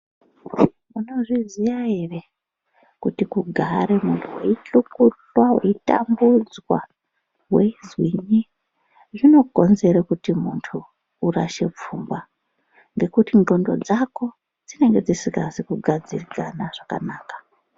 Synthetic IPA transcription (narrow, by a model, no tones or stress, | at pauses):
muno̞ʐizijaere̞ | kutikuɡʱaɾemuntʰuwḛiɬukut͡ɬwawe̞̰ita̰mbud͡zwa̰ | we̞zwiɲi | ʐino̞ɡʱo̞nze̞ɾekutimuntʰuː | ɾa̰ʃe̞p͡fuːmba | ŋɡe̞kutinɡo̞ndo̞̰d͡zako̞ | d͡zine̞ŋɡe̞d͡zisikazikuɡʱad͡zirikanaʐ̥aka̰naːkḁ